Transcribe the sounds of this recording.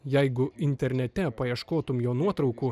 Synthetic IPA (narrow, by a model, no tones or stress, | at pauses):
jɛɪɡʊɪnʲt̪ʲɛɾʲnʲɛt̪ʲɛpɐiɛʃkoːt̪ʊmjoːnuɔt̪ɾɒʊkuː